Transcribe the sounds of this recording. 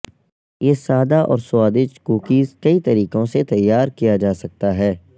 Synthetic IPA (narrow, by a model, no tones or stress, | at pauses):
jeːsaːd̪aʔɔ̰ːɾsʊwaːd̪ɪʃkuːkiːzkɐit̪ɐɾiːkõset̪ɐjːaːɾkijad͡ʒaːsɐk̚t̪aɦɛː